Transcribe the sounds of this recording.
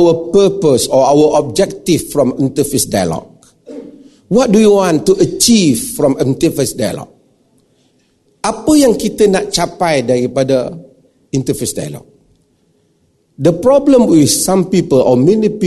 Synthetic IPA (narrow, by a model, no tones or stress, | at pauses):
wəpəpəsɔawəʔɔb̚d͡ʒɛk̚tiffɹɔ̃mĩntəfesdajə̰lɔ̰k̚ | wɔt̚dujuwɔ̃ntːuʔət͡ʃivfɹɔ̃mĩntəfesdajə̰lɔ̰k̚ | ʔapəjãŋkit̪ənaʔ̚t͡ʃapajdaɹipadə | ĩntəfesda̰j̰lɔ̰k̚ | dəpɹɔblə̃mwiθsãmpipəlʔɔmɛ̃nipi